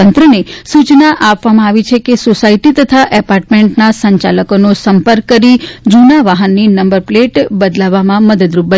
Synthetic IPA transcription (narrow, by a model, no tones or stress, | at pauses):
ənt̪ɾənesut͡ʃnaʔapʋamãaʋit͡ʃʰekesosaiʈit̪ət̪ʰaʔɛpaɾʈmẽɳʈnasəɲt͡ʃa̰ləkonosəmpəɾkːəɾid͡ʒunaʋaɦənːinəmbəɾpleʈbəd̪laʋamãməd̪əd̪ɾup̚bə